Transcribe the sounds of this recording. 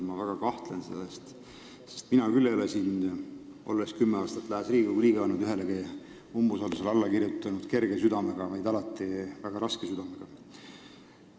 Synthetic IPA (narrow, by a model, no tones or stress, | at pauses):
mɑvæɡ̥ɑkɑht̪lensḛl̥ːest̪ | se̞̥st̪minɑkylːelesin | ʔolːeskymːeɑːst̪ɑt̪ːˑlæhesriːɡɑɡuliːɡ̥ɑɑnːud̪yɦe̞leɡi | umbusɑd̪uselɑlːɑkirjut̪ːˑɑnud̪̥ke̞rɡe̞syd̪̥ɑme̞ɡ̥ɑvɑjd̪ɑlɑt̪ːˑivæɡ̥ɑɾɑskesyd̪̥ɑmeɡ̥ɑ